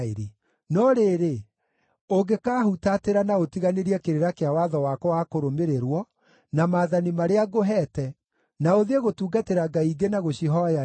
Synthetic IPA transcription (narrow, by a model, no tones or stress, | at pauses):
eɾe | nɔɾeːɾe | oɡekaːhutateɾanaotiɣaneɾiɛkeɾeɾakeawaðɔwakɔwakoɾomeɾeɾwɔ | namaːðanimaɾeaɣoɦɛːtɛ | naoðeɣotuːɡateɾaɡaiɡenaɣoɕiɦɔa